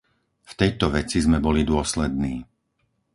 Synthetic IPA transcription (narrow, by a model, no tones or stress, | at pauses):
ft̪ɛjt̪ɔʋɛt͡sizmɛbɔlid̪ʊɔslɛd̪̚niː